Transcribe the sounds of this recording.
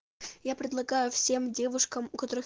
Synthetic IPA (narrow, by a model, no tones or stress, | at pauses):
japɾʲɪd̪lˠɐɡajʊfsʲe̞mdʲe̞vʊʂkəmʊkɐt̪o̞ɾɨ